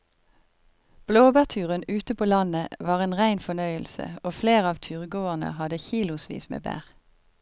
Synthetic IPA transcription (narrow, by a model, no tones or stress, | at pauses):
b̥loːbæːʁt̪ʰʉːʁənʉːt̪əpʰoːlɑnəʋɑːʁeːnʁæɪnfɔnœʏəlsə̰oːfleːʁəɑːʋt̪ʰyːʁɡoːəʁnə̰hɑd̪əçiːlʊsʋḭːsmḛːbæ̰ːʁ